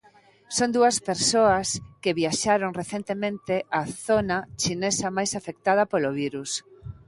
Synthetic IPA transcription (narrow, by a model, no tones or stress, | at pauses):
sond̪uɐspeɾsoɐskeβiaʃaɾoŋreθent̪emẽnt̪eʔaθonat͡ʃinesɐmajsafek̚t̪að̞ɐpoloβiɾus